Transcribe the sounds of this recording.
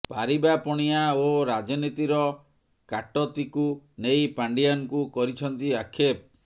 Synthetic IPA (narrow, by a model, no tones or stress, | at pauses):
paɾibapɔɽ̃iaoɾad͡ʒɔnit̪iɾɔ | kaʈɔt̪ikunejpaɳɖijankukɔɾit͡ʃʰɔnt̪iakʰep̚